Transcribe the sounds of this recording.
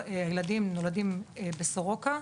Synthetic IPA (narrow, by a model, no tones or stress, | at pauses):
eajeladimno̞ladimebesoʁoka